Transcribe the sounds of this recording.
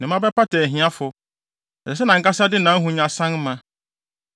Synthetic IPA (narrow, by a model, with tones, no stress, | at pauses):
nɪ̃˨m˦ã˦bɛ˦pa˦tɛ˨ɦĩ˦a˦fʊ˨ | ɛ˨sɛ˨s̬ɛ˦nã˨ŋ̩˦ka˦sa˦dɪ˦nã˨˦ɦũ˨ɲã˨sã˦ŋ˦mã˨